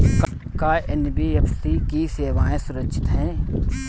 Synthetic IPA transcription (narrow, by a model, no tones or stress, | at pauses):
k | kaːʔenbiefsikiseːʋaːẽsʊɾəkʃʰɪ̥t̪ɦɛ̃ː